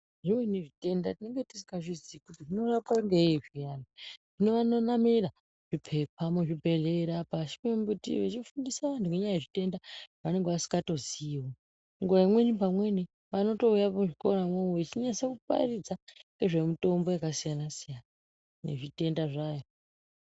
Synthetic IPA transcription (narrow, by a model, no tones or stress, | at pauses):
ʐimwe̞neʐite̞ndatine̞ŋɡe̞ti̥si̥kaʐizikutiʐino̞rapaŋɡeiʐijanaʐ̥ine̞ʋano̞namiɾa | ʐ̥ipʰepʰameʐibʱe̞ɮeɾapaʃi̥membutḭʋet͡ʃifundisaʋantuŋeɲajaeʐite̞ndaane̞ŋɡeʋasi̥ŋɡato̞ziwo | ŋɡuʋaimwe̞nipamwe̞ni | ʋano̞to̞ujapʐikoɾamooit͡ʃiɲasakupa̰rid͡zaeʐe̞mito̞mbo̞jakasijanasijana | nḛʐite̞ndaʐajo